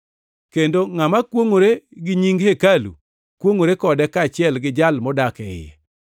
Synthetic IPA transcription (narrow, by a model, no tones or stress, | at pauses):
kendoŋamakwoŋoɾeɡɪɲiŋɡhekalṵ | kwoŋoɾekɔdɛkat͡ʃɪɛlɡɪd͡ʒalmɔdakɛɪ̰jɛ̰